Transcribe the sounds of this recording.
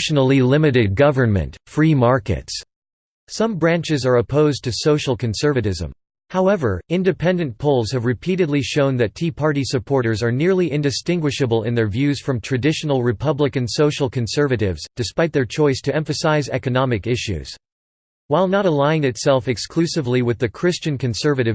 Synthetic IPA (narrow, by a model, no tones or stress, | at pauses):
ʃnl̩ˠilɪ̃mɨɾɨd̚ɡʌvə˞nmɨ̰̃ntfɹimɑɹkɨ̰ts | sʌ̃mbɹæ̃nt͡ʃɨzə˞ɨpʰoʊztʰɨsoʊʃl̩ˠkʰɨ̃nsɜ˞vɨɾɪzə̰̃m | haʊɛvə˞ɪ̃ndɨpʰɛ̃ndɨ̃npʰolˠz̥hɨvɹɨpʰiɾɨdˡliʃõʊ̃nðɨtʰipʰɑɹɾisɨpʰɔɹɾə˞zə˞nɪɹlˠiʔɪ̃ndɨstɪ̃ŋɡwɨʃɨbəl̩ˠɪ̰̃nðə˞vjʉz̥fɹʌ̃mtʰɹ̥ɨdɪʃn̩l̩ˠɹɨpʰʌblɨkɨ̃nsoʊʃl̩ˠkʰɨ̃nsɜ˞vɨɾɪvz̥d̥ɨspaɪt̪̚ðə˞t͡ʃʰɔɪstʰɨɛ̃ɱfɨsaɪzɛ̰kɨnɑmɨkɪʃʉ̰z̥ | waɪlˠnəɾəlãɪɪ̃nɨtsɛlˠfɨkskl̥ʉsɨvliwɨðɨkʰɹ̥ɪst͡ʃɨ̃nkɨ̃nsɜ˞vɨɾɨv